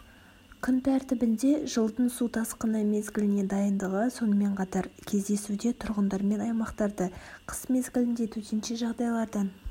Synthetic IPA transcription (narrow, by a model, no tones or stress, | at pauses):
kʲʰʏnp̪ʰæɾt̪ɪbɪnd̪e̞ʒəlˠd̪ənsut̪ʰɑsqənɑme̞zɡʲɪlɪne̞d̪ɑjənd̪əʁəso̞nəme̞ɴqʰɑt̪ɑɾkʲʰe̞zd̪e̞sud̪e̞t̪ʰʊɾʁənd̪ɑɾme̞nɑjmɑqt̪ɑɾd̪əqʰə̥sme̞zɡʲɪlɪnd̪e̞t̪ʰɵt̪enʃeʒɑʁd̪ɑjlˠɑɾd̪ɑn